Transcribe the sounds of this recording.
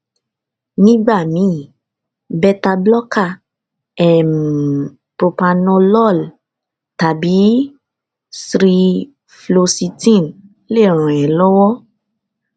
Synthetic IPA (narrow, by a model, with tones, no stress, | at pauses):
nĩ˦ɡ͡ba˦˨mĩ˨˦˨ | bɛ˧ta˧blɔ˦ka˦˨ | ɛ˨m˨ | pɾo˧pa˧nɔ̃˧lɔ˦˨l | ta˨bi˨˦ | sɾi˧ | flo˧si˧tĩ˦˨n | le˦˨ɾ̃ã˨ɛ̃˨lɔ˦wɔ˦